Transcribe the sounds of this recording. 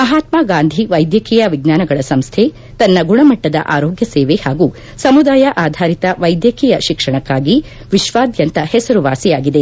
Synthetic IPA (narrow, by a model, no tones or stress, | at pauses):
mɐɦaːt̪maːɡaːnd̪ʱiʋɐjd̪jɐkʰiːjɐʋiɡnaːnɐɡɐɭɐsɐmst̪ʰe | t̪ɐnːɐɡuɳɐmɐʈːɐd̪ɐ̰ʔaːɾoːɡjɐseːʋehaːɡu | sɐmud̪aːjɐʔaːd̪ʱaːɾit̪ɐʋɐjd̪jɐkʰiːjɐʃikʂɐɳɐkːaːɡi | ʋiʃʋaːd̪jɐnt̪ɐhɛsɐɾuʋaːsijaːɡid̪e